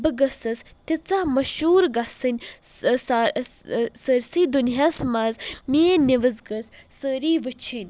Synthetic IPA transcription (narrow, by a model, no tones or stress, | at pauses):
bɨɡəsɐs | t̪ʲit͡sahmɐʃuːɾɡasɨnʲsa | səɾsiːd̪unɦasmazmeːniʋɐzɡəs | səɾiːʋɨt͡ʃʰinʲ